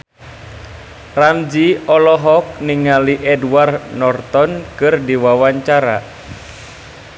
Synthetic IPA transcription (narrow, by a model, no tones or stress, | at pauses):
ramd͡ʒiɔlɔɦɔk̚niŋaliʔɛdwarnɔrt̪ɔnkɨrdiwawaɲt͡ʃaɾa